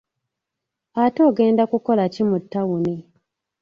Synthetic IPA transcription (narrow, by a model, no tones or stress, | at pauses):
ato̞ːɡe̞ːndakuko̞lacimutːawune